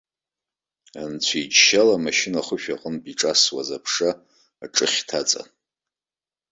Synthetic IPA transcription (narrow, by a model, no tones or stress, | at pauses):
ant͡ɕʷʰid͡ʒʃalamaʃɪnaχəʃᶣaqʼənpʼiʈ͡ʂʼaswazapʰʂaː | ʈ͡ʂʼɨχʲtʰat͡sʼa̰n